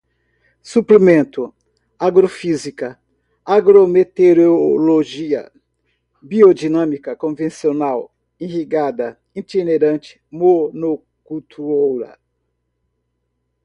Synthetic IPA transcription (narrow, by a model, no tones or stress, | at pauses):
suplimẽnt̪ʊ | aɡɾofizikɐ | aɡɾomet̪eɾoloʒiɐ̰ | biod͡ʒinɐ̃mikɐkõvẽsionaw | ĩhiɡad̪ɐ | ĩt͡ʃ̪ineɾɐ̃nt͡ʃɪ̥mono | kut̪ʰuowɾɐ̰